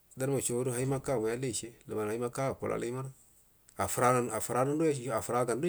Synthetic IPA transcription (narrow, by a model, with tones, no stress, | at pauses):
da˦ɾma˨ʃo˨wu˦ɾu˦ɦa˦i˦ma˦ka˦˨ma˨ja˦le˦˨ʃe˦lə˨ma˨a˨i˦ma˦ka˦a˨po̰˨la̰˨la˦ma˦ɾ | a˨fɾa˦˨a˨fu˨ɾa˦nu˦n˦u˦˨˦a˨fu˨ɾa˨˦ɡa˨ndu˦